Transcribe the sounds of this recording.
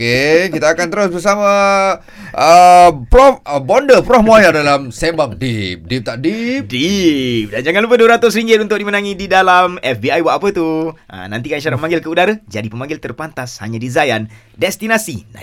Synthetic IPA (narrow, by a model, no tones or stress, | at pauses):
kekit̪aːkant̪əɾʊsbəsama | əpɾɔfbɔndəpɾɔhmuajadalamsɛmbaŋdip̚dip̚t̪aʔdipdip̚dand͡ʒaŋanlupəduəɾat̪ʊsɾiŋɡɪt̪̚unt̪ʊk̚dimənaŋididalamɛfbiajwaʔapət̪uʔə̰nã̰nt̪ikaniʃaɾat̪̚məmaŋɡɪlkəudaɾad͡ʒadipəmãŋɡɪlt̪ərpant̪asha̰ɲadizajan | dɛst̪inasḭna̰